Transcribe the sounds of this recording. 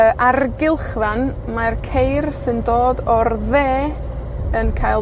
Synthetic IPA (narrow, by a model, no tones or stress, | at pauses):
əʔarɡɪlˠχvan | markʰejrsɪndoːdɔrðeː | ənkʰajlˠ